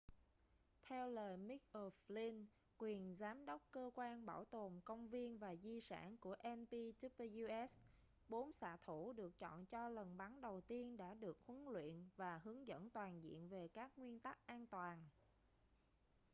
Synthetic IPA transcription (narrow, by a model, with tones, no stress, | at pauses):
t̪ʰɛ˧wləː˨˩jmi˦˥k̚ʔəː˨˧fli˧n | kwi˨˩ənzaː˨˦mɗə˦˥wk͡p̚kəː˧kwaː˧nɓaː˧˩wt̪o˨˩mkə˧wŋ͡mvi˧ənvaː˨˩zi˧sa̰ː˧˩nku˧˩əʔɛ˧npi˧t̪i˦˥pju˧ʔɛ˦˥s | ɓo˨˦nsa̰ː˧˨t̪ʰu˧˩ɗɨ˨˩ək̚t͡ɕɔ̰˧˨nt͡ɕɔ˧lə˨˩nɓa˨˦ŋɗə˨˩wt̪i˧ənɗa̰ː˧˥ɗɨ˨˩ək̚hwə˨˦ŋlwḭ˧˨ənvaː˨˩ɦɨ˨˦əŋzə̰˧˥nt̪waː˨˩nzḭ˧˨ənve˨˩kaː˦˥k̚ŋwi˧ənt̪a˦˥k̚ʔaː˧nt̪waː˨˩n